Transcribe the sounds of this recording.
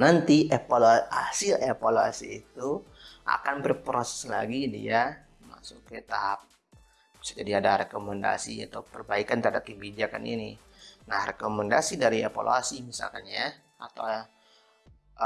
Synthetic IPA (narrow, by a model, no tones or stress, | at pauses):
nant̪iʔepaloasɪlepaloa̰silit̪u | ʔa̰kanbərpɾosɛ̥sla̰ɡidḭa | ma̰sʊkət̪aɦap̚ | sd͡ʒadiadaɾɛkomɛnda̰sia̰t̪awpərbaikant̪əɾhadap̚kəbid͡ʒaka̰nḭni | nahrekomɛndasidaɾiefa̰lo̰asimisa̰lkanja | at̪aw